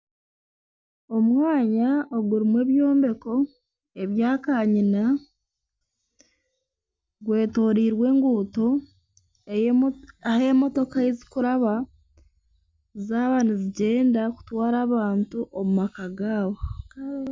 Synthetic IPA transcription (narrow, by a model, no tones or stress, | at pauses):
o̞mwaːɲaoɡuɾimwe̞ːβjo̞ːmbe̞ko̞ | e̞βjaːkaːɲina | ɡwe̞ːto̞ːɾiːɾwe̞ːŋɡuːto̞ | he̞mo̞to̞kaezi̥kuɾaβa | zaːβaniziɟe̞ːndaku̥twaːɾaːβaːntuʔomumakaɡaːβo